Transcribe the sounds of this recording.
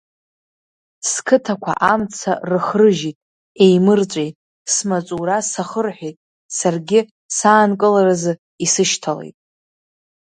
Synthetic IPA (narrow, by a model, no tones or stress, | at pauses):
skʰɨtʰakʷʰa̰ʔamt͡sʰa̰rɨχrɨʒitʼ | e̞jmɨrt͡ʃʷʼejtʼ | smat͡sʼuɾasaχərħʷᶣejtʼ | sarɡʲɪ | saːnkʼɨlaɾazɨ | isɨʃtʰale̞̰jtʼ